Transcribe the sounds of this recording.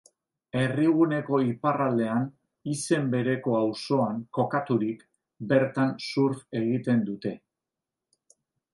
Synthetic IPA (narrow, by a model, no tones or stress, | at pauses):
e̞riɣune̞ko̞iparald̪e̞an | ise̞mbe̞ɾe̞ko̞awso̞aŋko̞kat̪uɾik | be̞ɾt̪ansuɾfe̞ɣit̪e̞nd̪ut̪e̞